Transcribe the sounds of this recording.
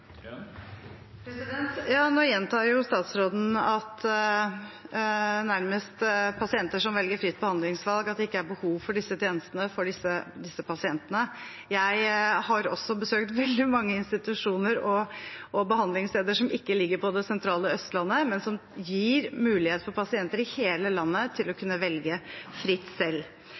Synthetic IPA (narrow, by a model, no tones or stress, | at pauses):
pʰɾɛsd̪ɛnt̪jɑːnoːjɛnt̪ʰɑːjʊst̪ɑːt̪sɾoːd̪n̩ɑt̪ | næɾməst̪pʰɑsɪɛnt̪əʂɔmʋɛlɡəɾfɾɪt̪̚ːbəhɑnd̪lɪŋsʋɑlɡɑt̪̚d̪ɛɪkːəæɾbəhuːʋfɔɖɪsːət̪ʰɪeːnəst̪ənəfɔɖɪsːəd̪ɪsːəpʰɑsɪɛnt̪ənə | jæɪhɑɾɔ̰sɔbəsøːkt̪ʋɛld̪ɪmɑŋːəɪnst̪ɪt̪ʉʂuːnəɾɔʔɔbəhɑnd̪lɪŋsleːd̪əʂɔmɪkːəlɪɡːəɾpʰɔd̪ɛsɛnt̪ʰɾɑːləœst̪lɑnːəmɛnsɔmjiːɾmʉːlɪheːt̪fɔpɑsɪɛnt̪əɾɪheːləlɑnːət̪ʰɪlɔkʰʉnːəʋɛlɡəfɾɪt̪ːsɛlː